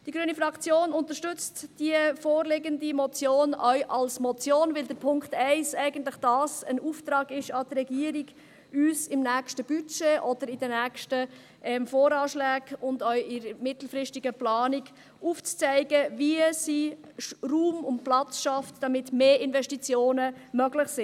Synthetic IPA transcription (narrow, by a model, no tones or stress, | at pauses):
d̥iɡɾyənifɾɑkt͡sjoːnʊnt̪əʃtʏt͡std̥iəfoːɾlɪɡəndimɔt͡sjoːnœʏʔɑlsmɔt͡sjoːnvɪld̪əɾpʰʊŋktɛɪsæɪɡən̩tlɪχd̥ɑːsənuːft̪ɾɑːɡɪʃɑd̥ɾɛɡiəɾiɡ | yːsɪmnæːkʃtəb̥yt͡ʃeʔɔd̥əɾɪd̥ənæːkʃtə | ʔɛmfoːɾɑːʃlæːɡʊndœʏɪɾəmɪtl̩fɾɪʃtiɡəplɑːniɡ | uːft͡st͡sɛɪɡəviəsi | ruːmʊnt̚plɑt͡sʃɑftd̥ɑmɪtmeːʔɪnvɛʃtit͡sjoːnəmœɡlɪχsɪ